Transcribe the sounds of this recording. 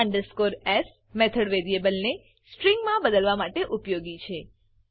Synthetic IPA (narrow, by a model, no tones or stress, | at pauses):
aɳɖəɾskoɾes | met̪ʰəɽʋeɾiebəlne | sʈɾiŋɡmãbəd̪əlʋamaʈeʔupjoɡit͡ʃʰe